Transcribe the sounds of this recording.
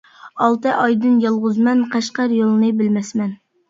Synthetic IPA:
ɑlˠt̪ɨʔɑjd̪ɨnjɑlˠʁʊzmɛnqʰɑʃqɑɾjolˠnɨbɪlmɛsmɛn

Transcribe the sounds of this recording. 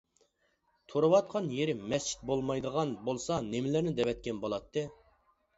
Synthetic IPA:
t̪ʰoɾɨwɑt̪̚qʰɑnjeɾɪmɛst͡ʃʰi̥t̪̚bolˠmɑjd̪əʁɑnbolˠsɑnemɪlæɾnɪd̪ɛvɛt̪̚kʲɛnbolˠɑt̪ʰːɨ

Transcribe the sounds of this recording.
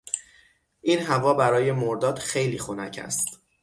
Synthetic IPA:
ʔiːnɦævɒːbæɾɒːje̞moɾd̪ɒːd̪̥xejliːxonæcʰæ̰st̪

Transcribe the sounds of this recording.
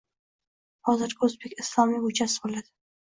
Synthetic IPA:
hɒzɪɾkʰɵzbekʲɪslˠɒmiʊt͡ʃasbolad̪̥ɪ

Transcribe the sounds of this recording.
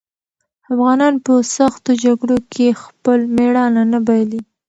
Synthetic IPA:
afɣɑnɑnpəsaxt̪od͡ʒaɡɽokʰexpəlmeɽɑnanabajli

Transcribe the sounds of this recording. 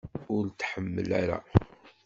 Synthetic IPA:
ʊɾt̪ːħəmːəlæɾa̰

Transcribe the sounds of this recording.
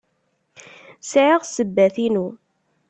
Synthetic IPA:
sʕɪʁsəbːæθinu

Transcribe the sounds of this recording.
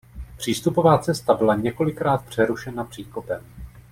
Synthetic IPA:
pr̝̥iːst̪upo̞vaːt͡sɛst̪abɪlaɲɛko̞lɪkɾaːt̪pr̝̥ɛɾuʃɛnapr̥iːkopɛm

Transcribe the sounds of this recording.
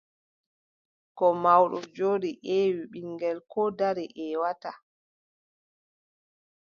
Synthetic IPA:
kɔmawɗɔd͡ʒoːɗiʔɛːwiɓiŋɡɛlkɔdaɾiʔɛwata

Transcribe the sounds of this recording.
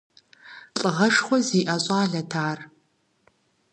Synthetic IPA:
ɬʼɨʁɐʂχʷɔziːʔɐɕʼaːɮɐtʰaːr

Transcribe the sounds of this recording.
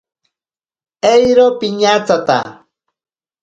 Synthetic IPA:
ejɾopɪɲat͡sat̪a̰

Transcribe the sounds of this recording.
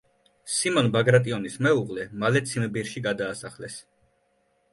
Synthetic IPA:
simɔnbaɡɾat̪ʼiɔnismɛuʁʼlɛmalɛt̪sʰimbiɾʃiɡad̪aːsaχlɛs

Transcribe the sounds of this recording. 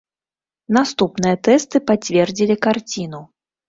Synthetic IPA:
nast̪upnɨjɐt̪ɛst̪ɨpat͡sʲvʲɛrd͡zʲilʲikart͡sʲinu

